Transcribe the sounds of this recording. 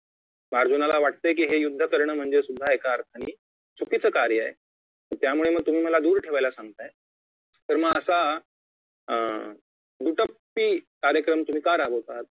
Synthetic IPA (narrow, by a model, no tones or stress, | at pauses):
maɾd͡ʑunalaʋaʈ̚t̪əjk̬iːɦejud̪ʱːəkəɾɳəːm̤əɳd͡zesud̪ʱːaekaːɾt̪ʰañiː | t͡sʰukit͡səːkaɾjəaḛ | t̪əɾt̪jamuɭeməɡ̚t̪um̤iːməlad̪uːɾʈʰeʋajlasãŋɡt̪aj | t̪əɾməɡəsa | d̪uʈəpː | iːkaɾjəkɾəmt̪um̤iːkaɾabotat̪̚